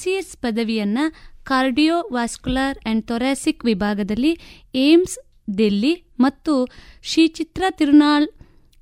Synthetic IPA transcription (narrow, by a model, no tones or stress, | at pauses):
siespɐd̪ɐʋijɐnːɐkaːɾɖijoːʋaːskulaːɾeɳɖ̚t̪oːɾaːsikʋibʱaːɡɐd̪ɐlːi | eːms | ɖelːi | mɐt̪ːuʃiːt͡ʃit̪ɾɐt̪iɾunaːɭ